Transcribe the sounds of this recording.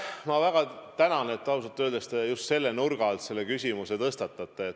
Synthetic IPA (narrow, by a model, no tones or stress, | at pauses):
mɑvæɡ̥ɑt̪ænɑnet̪ːˑɑwsɑt̪ːˑøld̪est̪ejust̪se̞lːenurɡ̥ɑlt̪se̞lːekysʲimuset̪ɤst̪ɑt̪ːˑɑt̪ːˑeet̪